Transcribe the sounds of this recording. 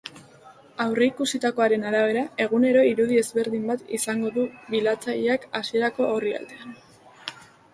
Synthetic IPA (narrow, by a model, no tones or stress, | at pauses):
awre̞ikusit̪ako̞aɾe̞naɾaβ̞e̞ɾae̞ɣ̞une̞ɾo̞iɾuð̞ie̞zβe̞ɾðimbat̪isaŋɡo̞ðuβilat͡saʎeakasie̞ɾako̞oria̰ld̪e̞an